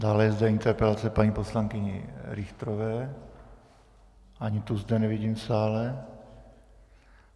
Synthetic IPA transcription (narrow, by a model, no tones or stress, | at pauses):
d̪aːlɛjɛzd̪ɛɪnt̪ɛɾpɛlat͡sɛpaɲiːpo̞slaŋkɪɲɪ̰ɾɪxt̪ɾovɛː | ʔaɲɪt̪uzd̪ɛnɛvɪɟiːmfsaːlɛ